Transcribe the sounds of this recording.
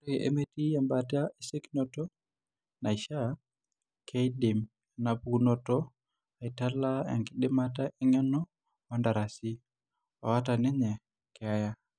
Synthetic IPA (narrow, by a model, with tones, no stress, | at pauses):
ɾe˨ʔḛ˨me˦ti˦ɛ˨mba˨ta˦i˨se˦kinɔ˦tɔ˦ | na˨i˨ʃa˦ | kʰe˦i˦di˨m | na˨bu˦nɔ˨tɔ˦ | a˨i˨ta˦la˦a̰˨ŋɡi˨ɗɪ˦ma˦t̬a˦ʔi˦ŋɛ˦nɔ˦ | ma˦nda˨ɾa˨si˦ | ɔ˨wa˦ta˨nɛ˦ɲɛ˨ | kɪ˨a˦ja˦